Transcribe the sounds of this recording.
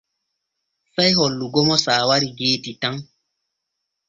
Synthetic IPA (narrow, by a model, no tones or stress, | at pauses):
sajɦɔlːuɡɔmɔsaːwaɾiɡeːtitaŋ